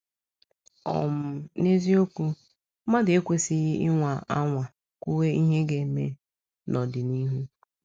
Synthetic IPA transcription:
ɔ̰˨m̩˨ne˦zi˦o˦kʷu˦ | ma˦dɪ˨e˦kʷe˨sɪ˦ɣɪ˦ɪ˦ŋʷa˨a̰˦ŋʷa˨ | kʷu˦we˦i˦ɦe˦ɡe˨me˦ | nʔɔ˨dɪ˨ni˦ɦu˦

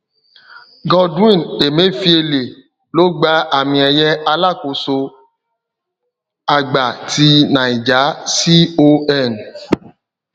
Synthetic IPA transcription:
ɡɔ˧dĩ˦˨ne˨me˦fi˦e˧le˨ | lo˦ɡ͡ba˦a˨mĩ˧˦ɛ˧jɛ˦a˧la˦˨ko˧˦so˧ | a˧ɡ͡ba˨ti˧˦nã˨i˨d͡ʒa˨˦si˦o˦ɛ˦˨n

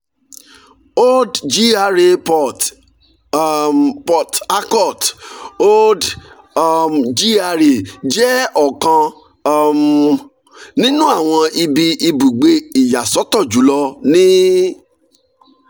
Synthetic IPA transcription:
o˦dd͡ʒi˦a˧ɾe˧ | pɔ˨ta˦kɔ˦˨to˦d | md͡ʒi˦a˧ɾe˨d͡ʒɛ˦ɔ˦˨kã˧˦ | m | nĩ˦nũ˦a˦˨w̃ɔ̃˧i˧bi˧ʔi˧bu˨ɡ͡be˧i˨ja˨sɔ˨˦tɔ˦˨d͡ʒu˨˦lɔ˧nĩ˦

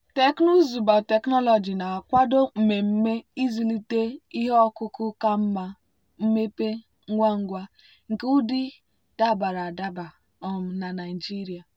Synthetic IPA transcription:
te˨kno˦zu˨ba˨te˨knɔ˦lɔ˨d͡ʒi˨na˨kʷa˦do˦m̩˨me˨m̩˦me˦i˦zi˨li˦te˦i˦ɦe˦ɔ˦kʊ˦kʊ˦ka˦m̩˦ma˦ | m̩˦me˦pe˦ | ŋ̩˦ŋʷa˦ŋ̩˦ɡʷa˦ | ŋ̩˨ke˦ʊ˦dɪ˦ | ta˦˨ba˨ɾa˨da˦ba˨ | ɔ˨m̩˨na˨na˨i˨d͡ʒi˦ɾi˨a˨

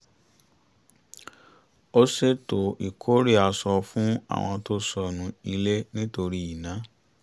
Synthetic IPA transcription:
o˦se˦to˨i˨kʰo˦ɾi˦˨a˧sɔ˧fũ˦a̰˨w̃ɔ̃˧to˦sɔ˧nũ˧i˧le˦nĩ˦to˧ɾi˦i˦˨nã˨˦

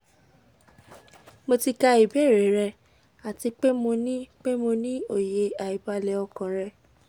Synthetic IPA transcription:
mo˧ti˧ka˧i˨bɛ˦˨ɾe˨˦ɾɛ˧ | a˨ti˧k͡pe˦mo˧nĩ˦k͡pe˦mo˧nĩ˦o˦˨je˧a˨i˨ba˧lɛ˧ɔ˧kã˨ɾɛ˧

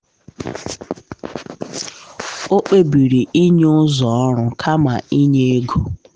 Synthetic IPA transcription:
o˦k͡pe˦bi˨ɾi˨ʔi˦ɲ˦ʊ˦zɔ˨ɔ˦ɾʊ˨kʰa˦ma˨i˦ɲe˦ɡo˨

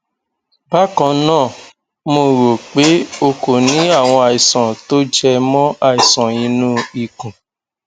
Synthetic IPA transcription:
ba˦kɔ̃˧nãː˦˨ | mo˧˨ɾo˨k͡pe˨˦o˧ko˨nĩ˨˦a˦˨w̃ɔ̃˧a˨i˨sɔ̃˨to˦d͡ʒɛ˧mɔ̃˦a˦˨i˨sɔ̃˨ĩ˨˧˦nũ˦i˨kũ˨

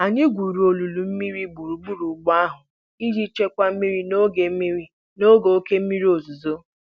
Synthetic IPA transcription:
a˨ɲɪ˦ɡʷu˨ɾu˨o˨lu˨lu˨m̩˦mi˦ɾi˦ɡ͡bu˨ɾu˨ɡ͡bu˦ɾu˨ɡ͡ba˦a˦ɦʊ˨ | i˦d͡ʒi˦t͡ʃe˦kʷa˦m̩˦mi˦ɾi˦no˦ɡe˨˦i˦ɾi˦ | no˦ɡo˨o˦ke˦m̩˦mi˦ɾi˦o˨zu˨zo˦

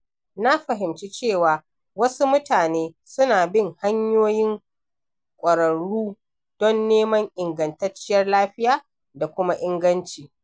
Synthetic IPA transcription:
na˦ɸɐ˨ɦɪ˨mt͡ʃi˦t͡ʃeː˦˨waː˨ | wɐ˦su˦mʊ˦taː˨neː˦ | sʊ˦naː˨bɪ˦˨ŋha˦ɲjoː˦jɪ˦ŋ | kʷʼɐ˨ɾɐ˨ɽuː˦ | d̥ɔ˦nːeː˦mɐ˦ŋʔɪ˨ŋɡɐ˨ntɐ˦t͡ʃːɪ˦jɐ˦rlaː˦ɸɪ˦jaː˦˨ | da˨kʷʊ˦ma˦ʔɪ˦ŋɡɐ˦nt͡ʃiː˨

